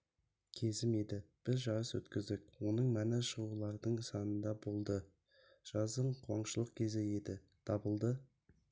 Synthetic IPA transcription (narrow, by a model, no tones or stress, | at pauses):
kʲʰe̞zɪme̞d̪ɪb̥ɪzʒɑɾəswɵt̪kʲɪzd̪ɪkwo̞nəɴmænɪʃəʁulˠɑɾd̪əɴsɑnənd̪ɑbo̞lˠd̪ə | ʒ̥ɑzəɴqʰuwɑɴʃəlˠəqkʲʰe̞zɪje̞d̪ɪ | t̪ʰɑbəlˠd̪ə